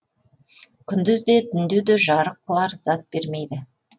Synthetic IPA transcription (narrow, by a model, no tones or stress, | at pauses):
kʲʰʏnd̪ɪzd̪e̞t̪ʰʏnd̪ed̪eʒɑɾəqːəlˠɑɾz̥ɑt̪̚be̞ɾme̞jd̪ɪ